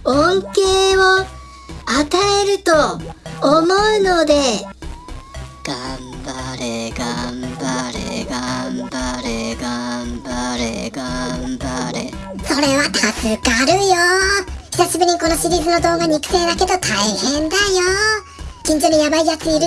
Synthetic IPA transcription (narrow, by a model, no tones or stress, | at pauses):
õŋkeːβo | at̪aeɾɯ̟t̪oː | moɯ̟no̞d̪e̞ | ɡ̥ambaɾeɡambaɾeɡambaɾeɡambaɾeɡambaɾe | so̞ɾe̞βat̪ʰasɨkaɾɯ̟joçʲi̥saɕibɯ̟ɲ̟iko̞no̞ɕiɾʲiːzɨno̞d̪o̞ːɡaɲ̟ikɯ̟̥seːd̪ake̞d̪o̞t̪ʰaihẽ̞nd̪ajo | kĩɲ̟d͡ʑoːɲ̟ijabaijat͡sɨɲ̟iɾɯ